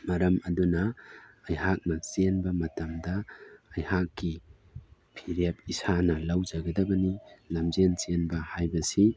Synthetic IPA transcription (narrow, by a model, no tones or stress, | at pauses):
mɐɾɐmɐdunɐɐjɦak̚nɐt͡ʃenbɐmɐtɐmdɐːjhakːi | pʰiɾep̚isanɐlɐwd͡ʒɐɡɐdɐbɐnilɐmzent͡ʃenbɐhajbɐsi